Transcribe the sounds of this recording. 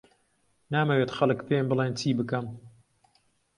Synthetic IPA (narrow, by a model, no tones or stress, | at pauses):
naːmɐweːt̪xɐlˠɨkpʰembɨleːnt͡ʃʰiːbɨkɐm